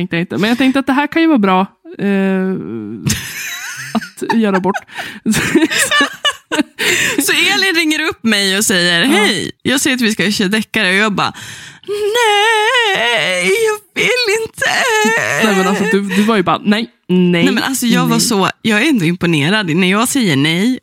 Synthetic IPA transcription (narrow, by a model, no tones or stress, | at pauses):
ɛŋkt̪jaɪnt̪əmɛnjɑɡt̪ʰɛŋkt̪əɾat̪̚d̪ɛɦæːɾkʰanjʉvɑːbɾɑː | at̪jœːɾabɔʈː | sɔ | sɔeːlɪnɾɪŋːəɾɵpːmɛjɔsɛjːəɾɦɛjjɑːɡsɛjːɾat̪ʋɪskaœɕad̪ɛkːaɾəɔjɑːɡbɑ̰ː | nɛ | jɑːvɪlːɪnt̪ʰə | ɛmɛnalsɔd̪ɵd̪ɵvaɾjʉbɑ̰ːɾa̰nɛj | nɛnɛmɛnalsɔjɑːɡvaʂɔjɑːɡæɾɛnd̪ʊɪmpʊneːɾad̪næjɑːɡsɛjːəɳɛj